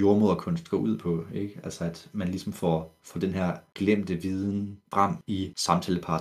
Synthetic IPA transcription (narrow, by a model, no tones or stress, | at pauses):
jo̝ɐmo̝ð̰ˠɐkʰɔ̽nsd̥̚ɡ̥ɔ̰̽ːuð̰ˠpʰɒ̽eɡ̥æl̰səæd̥mænlisɒ̽mfɒfɒd̥enɦæɐ̰ɡ̥lem̰d̥əʋiːð̞ˠn̩fʁɑ̈m̰isɑ̈mt͡sʰɛːləpʰɑ̈ː